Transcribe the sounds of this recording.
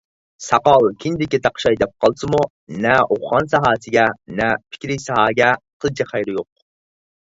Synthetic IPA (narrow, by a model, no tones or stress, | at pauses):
sɑqɑlˠkʲʰind̪ɪkʲit̪ʰɑqʃɑjd̪ɛp̚qʰɑlˠsɨmu | nɛoχʁɑnsɑɦɑːsɪɡʲɛnɛpʰɪ̥kʲɾɪjsɑɦɑːɡʲɛqʰəlˠt͡ʃʰiχɑjɾɪjoq̚